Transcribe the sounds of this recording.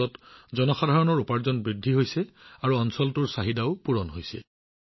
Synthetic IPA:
ɔtzɔnɔxadʱaɹɔnɔɹupaɹzɔnbɹidʱːiɦojsɛaɹuɔnsɔltʊɹsaɦidaʊpuɹɔnɦojsɛ̰

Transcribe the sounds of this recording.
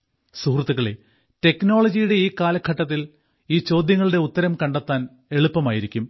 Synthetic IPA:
suhrt̪ːuɣɐɭe | te̞kno̞ːɭɐd͡ʑijuɽe̞iːkaːlɐkʰːɐʈːɐt̪ːil | iːt͡ɕo̞ːd̪jɐŋːɐɭɽe̞ut̪ːɐɾɐmkɐɳɖet̪ːaːn | e̞ɭupːɐmaːjiɾikʲːum

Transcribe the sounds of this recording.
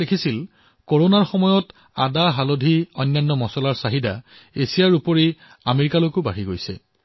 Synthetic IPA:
ekʰisil | koɹonaɹxɔmɔjɔt | adaɦalodʱiɔjnːajnːɔmɔsɔlaɹsaɦida̰ | esijaɹupɔɹi | ameɹikalojkʊba̰ɹiɡojsɛ̰

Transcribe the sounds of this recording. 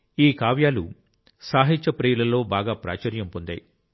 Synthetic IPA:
iːkaːʋjaːlṵ | saːɦit͡ʃɐpɾejɐlɐlo̞ːbaːɡaːpɾa̰ːt͡ʃɐɾjɐmpond̪ɐ̰j

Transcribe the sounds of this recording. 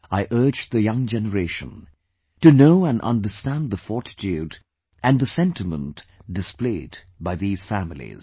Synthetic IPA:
aɪʔɜ˞d͡ʒðɨjʌ̃ŋd͡ʒɛnəɹeɪʃə̰̃n | tɨnoʊæ̃nʌ̰̃ndəstæ̃nðəfɔɹtd͡ʒid | ʔɨ̃nðɨsɛ̃ntɨmə̰̃ntd̥ɨspleɪd | baɪðiːz̥fæmɪlḭz̥

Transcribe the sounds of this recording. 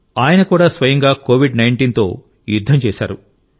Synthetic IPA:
aːjɐnɐkuːɽaːsʋɐjɐŋɡaːkoːʋiɖnɐjɳʈiːnt̪o̰ː | jud̪ʱːɐmt͡ʃɛːʃa̰ːɾu

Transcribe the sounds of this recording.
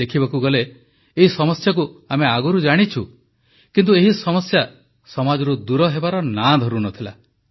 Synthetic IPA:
ekʰibakuɡɔleː | ɦisɔmɔsjak̬uameaɡuɾud͡ʒaɽ̃it͡ʃʰu | kint̪ueɦisɔmɔsja | sɔmad͡ʒɔɾud̪uɾɔɦebaɾɔnãd̪ʱɔɾunɔt̪ʰila̰

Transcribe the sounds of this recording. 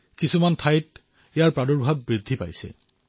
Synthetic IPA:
kisumantʰajt̚ | ɛjaɹpɹadɔɹbʱabːɹid̪ʱːipa̰jsɛ̰

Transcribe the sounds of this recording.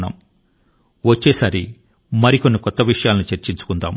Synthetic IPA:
nɐ̰ːm | ʋɐt͡ʃːeːsaːɾi | mɐɾiko̞nːikɔt̪ːɐʋiʂɐjaːlɐnit͡ʃeɾt͡ʃiɲt͡ʃu̥kund̪a̰ːm

